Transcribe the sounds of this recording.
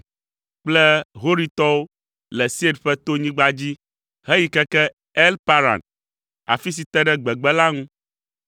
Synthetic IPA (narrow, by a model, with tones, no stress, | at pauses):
k͡plɛ˦ɦo˦ɾi˦t̪ɔ˦wo˦ | lɛ˨si˦e˦ɖɸɛ˦t̪o˦ɲĩ˦ɡ͡ba˦d͡ʑi˦ | ɦɛ˦ji˨kɛ˦kɛ˦ | ɛ˦lpa˦ɾa̰˨n | a̰˨fi˦s̬i˨t̪ɛ˦ɖɛ˦ɡ͡bɛ˨ɡ͡bɛ˦la˦ŋũ˦